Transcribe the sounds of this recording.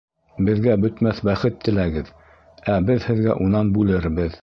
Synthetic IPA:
bɘ̆ðɡæbɵ̆t̪mæθbæχɘt̪ʰːɘ̆læɡɘð | æbɘðhɘ̆ðɡæ̰ʔunɑnbʉlɘɾbɘð

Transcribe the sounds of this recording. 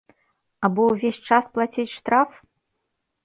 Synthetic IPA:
abɔwvʲesʲt͡ʂasplˠat͡sʲit͡sʲʂt̪ɾaf

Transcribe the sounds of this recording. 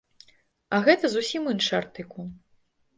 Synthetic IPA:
ɐɣɛt̪ɐzusʲimɨnʂart̪ɨku

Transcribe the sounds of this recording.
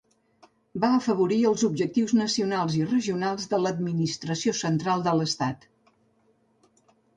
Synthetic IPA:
baəfəβuɾiəlˠzubʒək̚t̪iwznəsiunalˠzirəʒiunalˠzðələd̪minist̪ɾəsiosənt̪ɾalˠd̪ələst̪at̪

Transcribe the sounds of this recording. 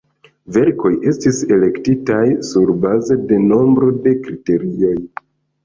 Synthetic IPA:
ve̞ɾko̞jʔe̞stise̞le̞ktitajsuɾbaze̞de̞no̞mbɾo̞de̞kɾite̞ɾio̞j

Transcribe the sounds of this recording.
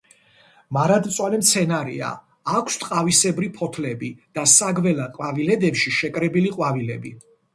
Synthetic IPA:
maɾad̪t̪sʼwalɛmt̪sʰɛnaɾḭa̰ː | kʷʰst̪ʼqʼavisɛbɾipʰɔt̪ʰlɛbid̪̥asaɡvɛlaqʼwavilɛd̪ɛpʃiʃɛkʼɾɛbiliqʼwavilɛ̰bi

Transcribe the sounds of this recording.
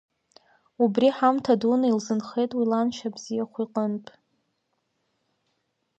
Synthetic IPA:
ubriħamtʰadunailzɨnχe̞jtʼwilanʃabzijaχʷiqʼənpʼ

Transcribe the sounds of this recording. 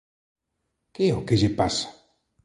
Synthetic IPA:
keokeʒepasḁ

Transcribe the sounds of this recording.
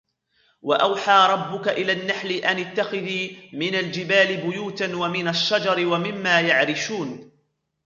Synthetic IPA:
wa̰ʔawħaːɾˤɑbːʊkaʔɪlaːnːaħlɪʔanɪt̪ːaxɪðiːmɪnald͡ʒɪbaːlɪbʊjuːt̪anwamɪnaʃːɑd͡ʒɑɾɪwamɪmːaːjaʕɾɪʃuːn

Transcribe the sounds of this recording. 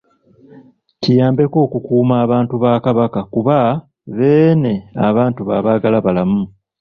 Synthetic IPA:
tʰijaːmbe̞ko̞ːkukuːmaːβaːntuβaːkaβakakuβa | βe̞ːne̞aβaːntuβaβaɡalaβalamu

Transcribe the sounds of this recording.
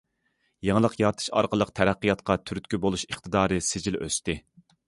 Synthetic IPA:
jeŋəlˠəqjɑɾt̪ʰɨ̥ʃɑ̰ɾqəlˠəqt̪ʰæɾæqːijɑt̪̚qʰɑt̪ʰyɾyt̪ʲkʲybolˠuʃəχt̪ʰɨd̪ɑːɾɨsɪd͡ʒilʔø̰st̪ɪ

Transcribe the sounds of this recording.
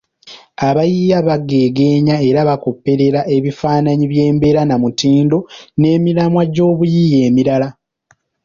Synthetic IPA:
aβajijaβaɡe̞ːɡe̞ːɲae̞ɾaβako̞pːe̞ɾe̞ɾaʔe̞βifaːnaɲiβje̞ːmbe̞ɾanamutiːndo̞ne̞ːmilamwaɟo̞ːβujije̞ːmiɾala

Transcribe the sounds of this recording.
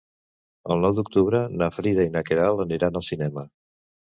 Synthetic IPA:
əlˠnɔwd̪uk̚t̪uβɾənafɾiðəinakeɾalˠəniɾanəlˠsinɛmə

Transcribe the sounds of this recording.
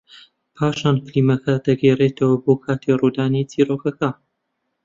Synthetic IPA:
pʰaːʃaːnflimɐkɐd̪ɐɡeːreːt̪ʰɐwɐboːkʰaːt̪ʰirud̪aːnit͡sʰiːɾokɐkɐ

